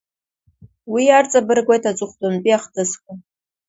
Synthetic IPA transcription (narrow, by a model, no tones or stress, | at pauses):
wiart͡sʼabɨrɡʷejtʰad͡ʒʷʼʊχʷdʼonpʼiaχtʰɨskʷʼʊ